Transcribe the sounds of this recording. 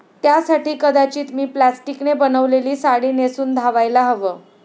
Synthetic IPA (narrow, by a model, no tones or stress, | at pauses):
t̪jasaʈiːkəd̪at͡ɕiːt̪miːplæsʈiknebənəʋleliːsaɽiːnesuːnd̪ʱaʋajlaɦəʋəː